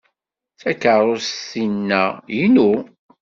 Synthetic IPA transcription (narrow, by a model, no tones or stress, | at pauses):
θækːəɾˤoɾsθinːæjinu